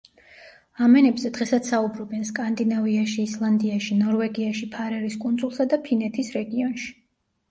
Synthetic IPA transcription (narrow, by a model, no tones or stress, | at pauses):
amɛnɛbzɛd̪ʁɛsat̪saubɾɔbɛnskʼand̪inaviaʃiːslˠand̪iaʃinɔɾvɛɡiaʃipʰaɾɛɾiskʼund̪zʼulˠsad̪apʰinɛt̪ʰisɾɛɡiɔnʃi̥